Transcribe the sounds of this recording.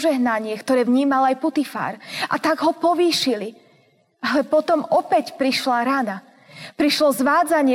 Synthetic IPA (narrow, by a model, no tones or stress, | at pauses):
ʒɛɦnaɲɪɛkt̪ɔɾɛːʋɲiːmalajput̪ifa̰ːɾa̰t̪aɡɦɔpɔʋiːʃili | alɛpɔt̪ɔmɔpɛcpɾiʃlaɾana | pɾiʃlɔzʋaːd͡zaɲɪɛ